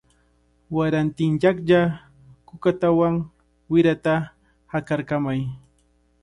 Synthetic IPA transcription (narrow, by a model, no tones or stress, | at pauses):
waɾant̪ɪnʎakʎa | kʊkat̪awaŋ | wɪɾat̪a | hakaɾkamaj